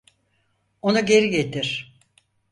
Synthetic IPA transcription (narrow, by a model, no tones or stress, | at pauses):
onuɟe̞ɾiɟet̪ʰiɾ̥